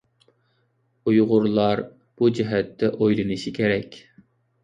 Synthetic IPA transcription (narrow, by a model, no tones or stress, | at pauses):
ujʁʊɾlˠɑɾ | b̥ud͡ʒiɦɛt̪ːɛʔojlˠɨnɨʃikʲʰeɾɛkʲ